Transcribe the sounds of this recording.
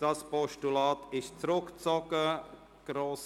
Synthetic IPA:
d̥ɑspɔʃtulɑːtɪʃt͡sɾʊkt͡sɔkə | ɡ̥ɾoːs

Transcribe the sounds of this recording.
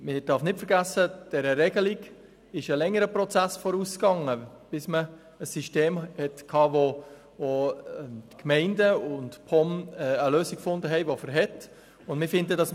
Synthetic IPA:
mɪd̥ɑɾfnɪtfəɾɡæsəd̥ɛɾəɾɛɡəliɡ | ɪʃəlɛŋːəɾəpɾɔt͡sæsfɔɾuːskɑŋːə | b̥ɪsməː | siʃteːmhɛtkʰɑːvo | voɛtkmɛɪndəʊntpʰɔmɛəløːsikfʊndəɦɛɪʋofəɾɦɛt | ʊndmɪfɪndədɑs

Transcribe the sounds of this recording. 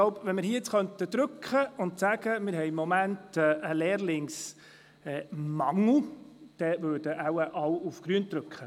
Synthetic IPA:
loʊpʋɛnmɪɾhiəɪt͡sχœnt̪əd̪ɾɵkχəʊntsæːɡəmɪɾɦɛjmːɔmæntɛʔəleːɾlɪŋs | ɛːmɑŋl̩d̪̥ɛvøːɾd̥əʔawəʔɑwʊfɡ̥ɾyənt̪ɾɵkχə

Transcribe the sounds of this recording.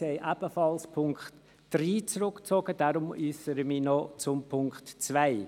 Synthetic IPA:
ɛɪʔæb̥əfɑlspʰʊŋkχt | d̥ɾiːt͡sɾʊkt͡sɔɡ̥əd̥aɾʊmyːsəɾəminɔt͡sʊmpʰʊŋktt͡svæɪ

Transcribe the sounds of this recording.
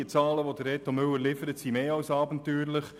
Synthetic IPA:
ət͡sɑːləʋodəɾːɛːtomʏwəlɪfəɾətsimeːɑwsɑːbntyːɾləχ

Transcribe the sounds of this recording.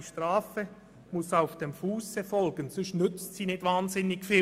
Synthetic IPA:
iʃtʁaːfə | mʊsaʊfd̥emfuːsəfɔlɡ̥ənsʏʃnʏt͡stsiːnɪtvaːnzɪnːɪɡfiː

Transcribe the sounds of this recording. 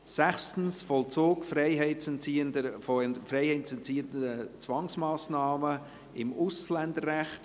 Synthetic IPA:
sæχstn̩sfɔlt͡soːkfrɛɪɦɛɪtsɛnt͡siːndəfɔfreɪhɛɪtt͡sɛnt͡siːtət͡svɑŋsmɑːsnɑːmə | ɪmʊslɛndərːɛχt

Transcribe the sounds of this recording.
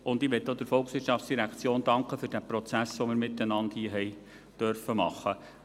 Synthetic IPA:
ʊndiʋɛt̪ːod̥̪ɪɾfɔlksʋɪɾtʃɑftt͡ssd̥iɾækt͡sjoːndɑŋkχəfɵɾd̥æpɾɔt͡sæsʋomɪɾmɪtːɛnɑndhiəɦɛj | d̥œɾfəmɑ̰χːə

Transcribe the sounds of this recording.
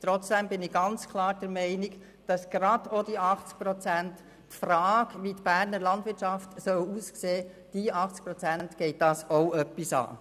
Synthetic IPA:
t̪ɾɔt͡sd̥ɛmbɪnɪɡɑnt͡skʰlˠɑːɾd̥ɛɾmɛɪniɡ | d̥ɑsɡ̥ɾɑd̥od̥iɑχt͡sk̚pɾɔt͡sæntː | fɾɑːɡʋitb̥æːɾnəɾlɑndʋɪɾtʃɑftsœwuːskseː | d̥iːɑχt͡sk̚pɾɔt͡sænntɡ̥ɛɪt̚d̥ɑsoœpːisɑ̰ː

